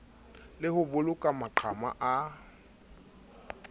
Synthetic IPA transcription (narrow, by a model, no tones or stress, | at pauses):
lɪhʊbʊlʊkʼamaǃʰama̰ʔa